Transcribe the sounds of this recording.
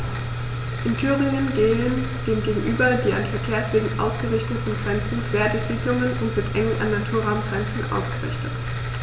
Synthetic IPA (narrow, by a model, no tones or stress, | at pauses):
ʔɪntʰyːʁɪŋənɡeːən | d̥eːmɡeːɡŋ̩ʔyːbɐdiːʔa̰nfɛɐkʰeːɐsv̥eːɡŋ̩ʔa̰ʊsɡ̥əʁɪçtətn̩ɡʁɛnt͡sn̩kʰv̥eːɐdɪsv̥ɪːklʊŋənʊntz̥ɪtʔɛŋənʔa̰nːatʰuːɐʁaʊmɡ̥ʁɛnt͡sn̩ʔa̰ʊsɡ̥əʁɪ̰çtʰət